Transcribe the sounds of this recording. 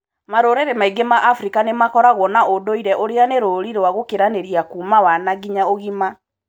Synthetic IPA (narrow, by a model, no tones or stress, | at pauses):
maɾoɾeɾemaiɡemaʔafɾikanemakɔɾaɣwɔnaodoiɾɛʔoɾeaneɾoɾiɾwaɣokeɾaneɾiakumawanaɣiɲaoɣima